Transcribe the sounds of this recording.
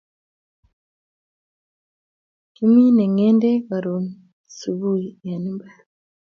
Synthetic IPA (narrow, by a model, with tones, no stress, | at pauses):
ki˦mi˦ne˨ŋeː˦nde˦βa˨ɾo˨n | su˨βu˦jija˨ni˦mba˦ɾa